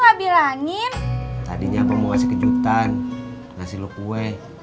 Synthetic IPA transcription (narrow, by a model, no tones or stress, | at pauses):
labilaŋint̪a̰diɲapamoasɛkəd͡ʒut̪an | ŋasilokuɛ